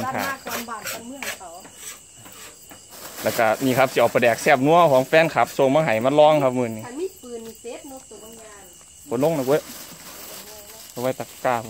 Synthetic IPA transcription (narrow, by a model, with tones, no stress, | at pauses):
kʰa̰ː˨˧˨mɯ˧˨˧ | lɛː˧˩ka˧˩niː˧˩˨kʰa˧p̚si˧ʔɔː˨˧˩pa˧˩dɛː˨˩k̚sɛː˧˩p̚nu˧˥ɐkʰɔː˨˦ŋfɛː˧˥˨nkʰa˧˦p̚so˧˩˨ŋmaː˧ɦa˨˦jmaː˧˥˨lɔː˧˥˨ŋkʰa˧p̚mɯː˧˨nːiː˧ɯ˨˧n˧ | kʰo˧˦nlo˧˥˨ŋna˧k̬e˧˥ | ka˧˩˨wa˧˩jt̪a˧˩kkaː˧˩k